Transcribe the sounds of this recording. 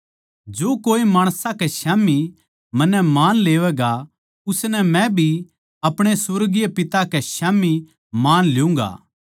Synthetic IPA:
d͡ʒoːkoːimaːɽ̃sãkɛʃaːmi | mɐnːɛmaːnleːʋɛɡa | ʊsnɛmɛ̃bʱi | ɐpɽ̃esʊɾɡijepɪt̪akɛʃaːmi | maːnlɪjũːŋɡa̰ː

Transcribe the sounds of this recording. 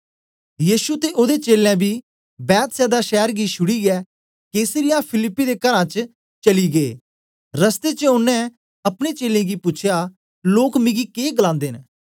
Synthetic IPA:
jiːsut̪eʔod̪et͡ʃeːlɛ̃bʱiː | bɛːt̪sɛːd̪aʃɛːɾɡiʃʊɽiɡɛː | keːsəɾɪjapʰɪlɪpːid̪eːkɐɾãt͡ʃ | t͡ʃɐliɡeː | ɾəst̪et͡ʃəʊnːɛ̃ | ɐpɽ̃et͡ʃeːlẽːɡipʊt͡ʃʰjaː | loːkmɪ̃ɡikeːɡəlãːnd̪eːn

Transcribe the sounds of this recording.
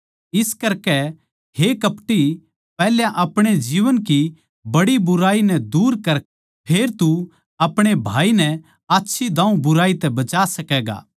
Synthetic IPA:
ɪskɐɾkɛ | hekɐpʈi | pɛːljãʔɐpɽ̃ed͡ʒiːʋənki | bɐɽibʊɾaːinɛd̪uːɾkɐɾ | pʰeːɾt̪u | ɐpɽ̃ebʱaːinɛ | aːtːʃʰid̪ãːũbʊɾaːit̪ɛbɐt͡ʃaːsɐkɛːɡa̰ː

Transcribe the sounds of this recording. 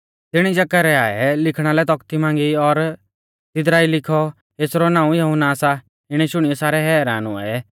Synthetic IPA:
t̪ɪɽ̃id͡ʒɐkəɾɛaːɛ̰lɪkʰɽ̃alɛt̪ɔkt̪imãːŋ̆ɡiɔɾ | t̪ɪd̪ɾaːilɪkʰɔ | eːsɾɔnãːũjɐɦʊnaːsa | ɪɽ̃ɛʃʊɽ̃ijɛsaːɾɛɦɛːɾaːnʊ̰a̰ɛ

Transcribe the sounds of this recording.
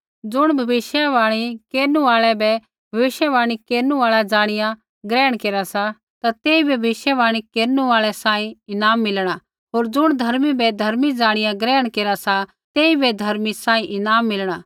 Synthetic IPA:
d͡zʊɽ̃bʱɐʋɪʃjaʋaːɽ̃ikeːɾnũaːɭɛbɛ | bʱɐʋɪʃjɛʋaːɽ̃ikeːɾnũaːɭad͡ʒaːɽ̃ɪjã | ɡɾɛːəɽ̃keːɾasa | t̪at̪eːibʱɛbɪʃjəʋaːɽ̃ikeːɾnuaːɭɛsãːĩɪnaːmːɪlɽ̃a | ɦoːɾd͡zʊɽ̃d̪ʱɐɾmibɛd̪ʱɐɾmid͡zaːɽ̃ɪjãɡɾɛːəɽ̃keːɾasa | t̪eːibɛd̪ʱɐɾmisãːĩʔɪnaːmːɪlɽ̃aː

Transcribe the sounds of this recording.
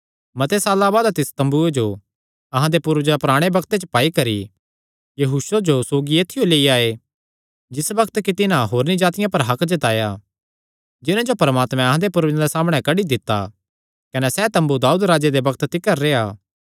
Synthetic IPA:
mɐt̪esaːlabaːd̪t̪ɪst̪ɐ̃mbued͡ʒo | ɐɦãd̪epʊɾʋd͡ʒapʊɾaːɽ̃ebɐkʰt̪et͡ʃəpaːikɐɾḭ | jɐɦuːʃod͡ʒosoːɡieːt̪ʰːɪjoleːiaːe | d͡ʒɪsbɐkʰt̪kit̪ɪnãɦoːɾnid͡ʒaːt̪ɪjãpɐɾɦɐkd͡ʒɐt̪aːja | d͡ʒɪnãd͡ʒopɐɾmaːt̪mɛ̃ɐɦãd̪epʊɾʋd͡ʒãd̪esaːmɽ̃ɛ̃kɐɽid̪ɪt̪ːa̰ | kɐnɛsɛt̪ɐ̃mbud̪aːuːd̪ɾaːd͡ʒed̪ebɐkʰt̪t̪ɪkːəɾːeaː

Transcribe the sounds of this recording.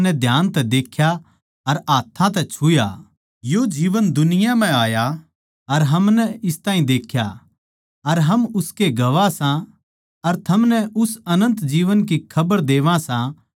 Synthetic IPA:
nɛd̪ʱjaːnt̪ɛd̪eːkʰja | ɐɾaːt̪ʰːãt̪̬ɛt͡ʃʰʊja̰ | jod͡ʒiːʋənd̪ʊnɪjam̤ɛ̃aːja | ɐɾɦɐmnɛɪst̪ãːĩd̪eːkʰja | ɐɾɦɐmʊskeɡɐʋasã | ɐɾt̪ʰɐmnɛʔʊsɐnə̃nt̪d͡ʒiːʋənk̬ikʰɐbəɾd̪eːʋãsã

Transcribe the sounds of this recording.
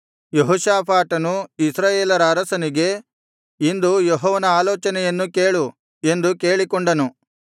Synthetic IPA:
jeɦɔʃaːpʰaːʈɐnuisɾaːjeːlɐɾɐːɾɐsɐniɡe̞ | ind̪ujɔɦɔːʋɐnɐaːlɔːt͡ʃɐnɛjɐnːuke̞ːɭu | e̞nd̪uke̞ːɭikoɳɖɐnu

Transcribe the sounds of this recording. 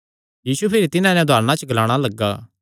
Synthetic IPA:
jiːsupʰɪɾit̪ɪnãnɛ̃d̪ʱaːɾñãt͡ʃəɡɐlaːɽ̃alɐɡːaː

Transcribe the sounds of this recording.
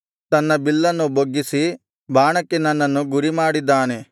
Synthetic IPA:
t̪ɐnːɐbilːɐnːuboɡːisi | baːɳɐkːenɐnːɐnːuɡuɾimaːɽid̪ːaːne

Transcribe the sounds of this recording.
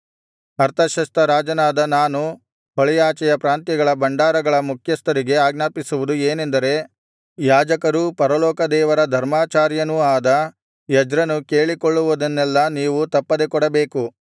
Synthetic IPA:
ɐɾt̪ʰɐʃɐst̪ɐɾaːd͡ʒɐnaːd̪ɐnaːnu | ɦɔɭɛjaːt͡ʃɐjɐpɾaːnt̪jɐɡɐɭɐbɐɳɖaːɾɐɡɐɭɐmukʰjɐst̪ɐɾiɡe̞aːɡnaːpisuʋud̪ueːnend̪ɐɾe̞ | jaːd͡ʒɐkɐɾupɐɾɐlɔːkɐd̪ɛːʋɐɾɐd̪ʱɐɾmaːt͡ʃaːɾjɐnuaːd̪ɐ | jɐd͡ʒɾɐnukeːɭikɔɭːuʋud̪ɐnːɛlːɐniːʋut̪ɐpːɐd̪ekɔɽɐbe̞ːku

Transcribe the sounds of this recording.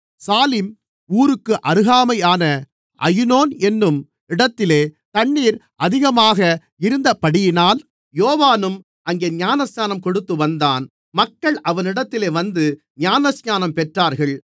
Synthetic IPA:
saːlɪm | uːɾɯkːɯʔɐɾɯɣaːmɐɪaːnɐ | ʔɐjnoːnɛnːɯm | ɪɽɐt̪ːɪleːt̪ɐɳːiːɾ | ʔɐðɪɣɐmaːɣɐ | ɪɾɯnd̪ɐpːɐɽɪjɪnaːl | joːʋaːnɯm | ʔɐŋɡeːɲaːnɐsɲaːnɐmkɔɽɯt̪ːɯʋɐnd̪aːn | mɐkːɐɭʔɐʋɐnɪɽɐt̪ːɪleːʋɐnd̪ɯ | ɲaːnɐsɲaːnɐmpɛʈraːɾɣɐɭ

